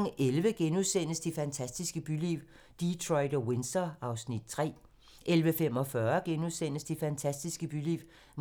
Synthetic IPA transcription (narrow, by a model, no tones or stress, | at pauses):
ŋʔelʋəɡ̥enuðˠsen̰əsd̥ifænt͡sʰæsd̥isɡ̥əb̥yliʊ | d̥it͡sʰʁɒɪdɒwensd̥ɐɑ̈ʊsnid̥̚t͡sʰʁɛ̰ː | ʔelʋəfem̰ɒ̽fɶɐɡ̥enuðˠsen̰əsd̥ifænt͡sʰæsd̥isɡ̥əb̥ylḭʊ | m